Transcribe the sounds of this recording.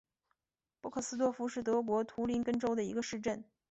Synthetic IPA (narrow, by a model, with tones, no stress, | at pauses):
pwɔ˥˧kʰɤ˥˩sɹ̩˥t̪wɔ˥˧fu˥ʂɻ̩˥˩t̪ɤ˧˥k̬wɔ˧˥t̪ʰu˧˥li˧˥nkə˥nʈ͡ʂo˥ʊd̪ə˨i˧˥ɡə˧ʂɻ̩˥˧ʈ͡ʂə˥˩n